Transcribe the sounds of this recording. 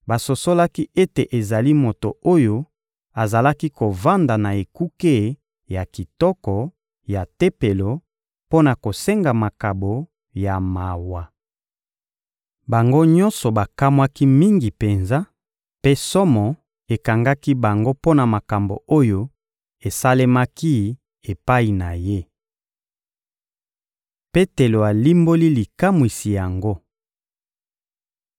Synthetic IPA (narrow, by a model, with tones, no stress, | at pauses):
ba˨so˨so˦la˦ki˦e˦te˨ʔe˨za˨li˦mo˨to˨o˦jo˦ | a˨za˨la˦ki˦ko˨va˦nda˨na˨e˨ku˦ke˦ | ja˨ki˨tɔ˦kɔ˨ | ja˨te˦pe˨lo˨ | po˦na˨ko˨se˦ŋɡa˨ma˨ka˨bo˨ | ja˨ma˨wa˨ | ba˨ŋɡo˦ɲɔ̃˦nsɔ˨ba˨ka˦mwa˦ki˦mi˦ŋɡi˨pe˨nza˦ | pe˦sɔ˦mɔ˨ | e˨ka˨ŋɡa˦ki˦ba˨ŋɡo˦po˦na˨ma˨ka˨mbo̰˨o˦jo˦ | e˨sa˦le˦ma˦ki˦ | e˨pa˦i˨na˨je˦ | pe˦te˨lo˨a˨li˦mbo˦li˦li˨ka˦mwi˨si˨ja˨ŋɡo˦